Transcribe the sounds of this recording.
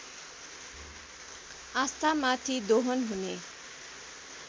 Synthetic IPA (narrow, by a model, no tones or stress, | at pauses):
ast̪ʰamat̪ʰid̪oɦonɦune